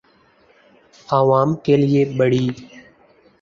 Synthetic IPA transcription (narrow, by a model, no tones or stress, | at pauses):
aːʋaːmkeːlɪeːɓəɽiː